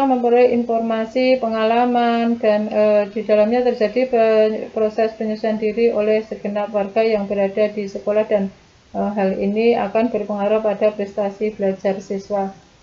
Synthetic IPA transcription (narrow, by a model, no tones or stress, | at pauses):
aməmpəɾuiinfɔrmasipəŋalamandanəd̥idalamɲat̪ərd͡ʒadipɾosɛspəɲusuandiɾiʔolɛhsəɡ̥ənap̚warɡ̥ajaŋbəɾad̥adisəkolahdan | əɦalḭnia̰kanbərpəŋaɾapːadapɾɛst̪asibəlad͡ʒarsiswa